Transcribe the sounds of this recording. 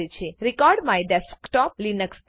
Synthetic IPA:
et͡ʃʰeɾikɔɾɖmaeɖɛskʈɔp̚linəks

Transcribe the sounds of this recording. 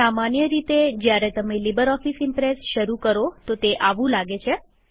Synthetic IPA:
amanjəɾit̪ed͡ʒjaɾet̪əmelibəɾɔfisɪmpɾesʃəɾukəɾot̪ot̪eʔaʋũlaɡet͡ʃʰe

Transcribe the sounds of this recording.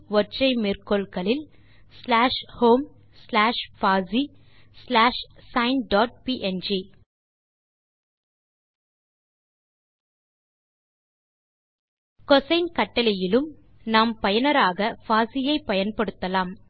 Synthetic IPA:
ʋɔɾʈrɐɪmeːrkɔlkɐlɪl | slaːʂhoːm | slaːʂfaːzi | slaːʂsɐɪnɖaːʈ̚piʔɛnd͡ʒi | kɔsɐɪnkɐʈːɐlɪjɪlɯm | naːmpɐjɐnɐɾaːɣɐfaːsɪjɐɪpːɐjɐnpɐɽɯt̪ːɐlaːm

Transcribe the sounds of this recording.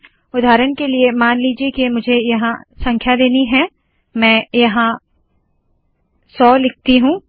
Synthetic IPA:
ʊd̪ʱaːɾənkeliemaːnliːd͡ʒiekimʊd͡ʒʱejɐɦãsɐ̃ŋkʰjad̪eːniɦɛ̃ | mɛ̃ːjɐɦã | sɔːlɪk̚ʰt̪iɦũː

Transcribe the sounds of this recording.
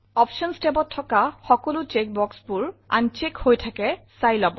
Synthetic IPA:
ɔpʃɔnstepɔtʰːɔkaxɔkɔlʊt͡ʃek̚bɔksbʊɹa̰nt͡ʃekhojtʰakɛsajlabɔ

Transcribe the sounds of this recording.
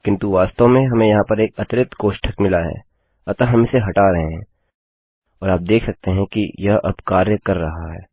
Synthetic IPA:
kɪ̃nt̪uʋaːst̪õmẽɦɐmẽjɐɦãpɐɾeːkɐt̪ɪɾɪt̪ɡoːʃʈʰəkmɪlaɦɛ̰ː | ɐt̪aɦɐmɪseɦɐʈaɾɐɦẽɦɛ̃ː | ɔːɾaːp̚d̪eːkʰsɐk̚t̪eɦɛ̃kijɐɦɐ̰bkaːɾjəkɐɾːɐɦaɦɛː

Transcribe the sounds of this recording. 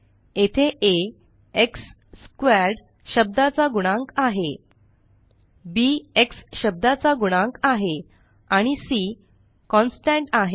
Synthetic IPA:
et̪ʰeʔe | eksː | kʋaɾɖ | ɕəb̚d̪at͡saɡuɽ̃ãŋkaɦe | bieksɕəb̚d̪at͡saɡuɽ̃ãŋkaɦe | aɽ̃isi | kɔ̃nsʈæ̃ɳʈaɦe

